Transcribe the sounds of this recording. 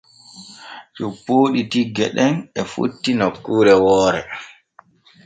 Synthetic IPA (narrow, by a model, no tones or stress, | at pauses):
t͡ʃupːoːɗitiɡːɛɗɛnɛfṵtːinɔkːuːɾɛwɔːɾɛ̰